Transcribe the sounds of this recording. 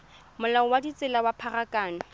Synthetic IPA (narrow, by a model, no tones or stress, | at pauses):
mʊlaʊwadit͡sʼɪlawapʰarakʼaːnʊ